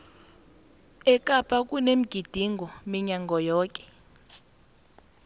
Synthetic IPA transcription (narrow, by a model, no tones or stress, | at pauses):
ɛkʼapʰʼakʼunem̩ɡ̥ʱid̥ʱiŋɡʱɔmiɲaŋɡʱɔjɔːkʼɛ̥